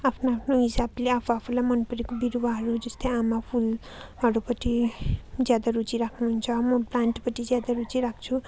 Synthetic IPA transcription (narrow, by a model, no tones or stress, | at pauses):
apʰnaapʰnoɦisableapʰuapʰulajmʌnpʌɾikobiɾuwaɦʌɾud͡zʌst̪ejamapʰul | ɦʌɾupʌʈʰi | d͡zjad̪aɾut͡siɾakʰnuɦunt͡sʰʌmʌplaɳʈpʌʈʰid͡zjad̪aɾut͡siɾakʰt͡sʰu